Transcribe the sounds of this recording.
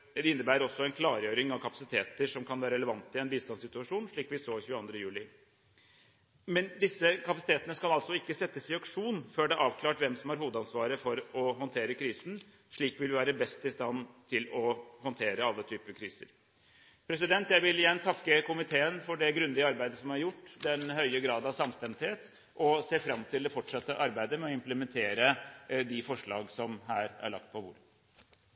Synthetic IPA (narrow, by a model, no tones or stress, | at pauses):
ɪnːəɾbæːəɾɔsːɔɛɪnkʰlɑːɾjøːɾɪŋɑʋkʰɑpɑ̥sɪt̪ʰeːt̪əʂɔmkʰɑnʋæːɾəɾɛləʋɑnt̪ɪɛnbiːst̪ɑnsɪt̪ʉɑʂuːnʂɭiːkʋɪsoːçʉːɑnd̪ɾəjʉːlɪ | mɛnd̪ɪsːəkʰɑpɑsɪ̥t̪eːt̪ənəskɑlɑlsɔɪkːəsɛt̪ːəsɪɑkʂuːnføːɖɛʔɑːʋkʰlɑːʈʋɛmsɔmhɑɾhuːd̪ɑnsʋɑːɾəfɔɾɔɦɔnt̪ʰeːɾəkʰɾiːsn̩ | ʂɭiːkʋɪlʋɪʋæːɾəbɛst̪ɪst̪ɑnːt̪ʰɪlɔhɔnt̪ʰeːɾəɑlːət̪ʰyːpəkʰɾiːsə̰ɾ | pʰɾɛs̬ɪd̪ɛnt̪jæɪʋɪlɪjɛnːt̪ʰɑkːəkʊmɪt̪ʰeːənfɔɖɛɡɾʉnd̪ɪəɑɾbæɪd̪əsɔmhɑɾjʊʈːd̪ɛnhœʏəɡɾɑːd̪ɑʋsɑmst̪ɛnt̪heːt̪ | ʔɔseːfɾɑmːt̪ʰɪld̪ɛfɔʈʂɑt̪ːəʔɑɾbæɪd̪əmɛɔɪmpləmɛnt̪ʰeːɾəd̪ɪfɔʂɭɑ̰ːɡsɔmɦæːɾæ̰ɭɑ̰k̚t̪̚pʰɔʋʊ̰ːɾə